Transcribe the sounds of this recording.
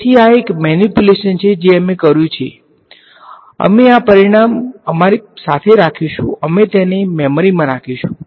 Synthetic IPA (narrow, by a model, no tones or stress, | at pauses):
t̪ʰiaekmɛnipjuleʃənt͡ʃʰed͡ʒeəmekəɾjũt͡ʃʰḛ | ə̰meapəɾiɽ̃aməmaɾisat̪ʰeɾakʰiʃṵ̃əmet̪ɛnemɛmoɾimãɾakʰiʃũ